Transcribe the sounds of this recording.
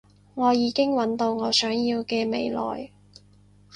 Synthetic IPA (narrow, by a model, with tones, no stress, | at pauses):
ŋɔː˨˧jiː˨˧kɪ˥ŋwɐ˨˥nt̪o˧wŋɔː˨˧sœː˨˥ŋjiː˧wkɛː˧me˨˧jlɔ̰ː˨j